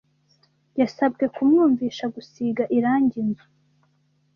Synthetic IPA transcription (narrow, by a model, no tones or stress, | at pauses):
jasab̚ɡe̞kumŋuːɱviːʃaɡusiɡaʔiɾaːɲɟinzu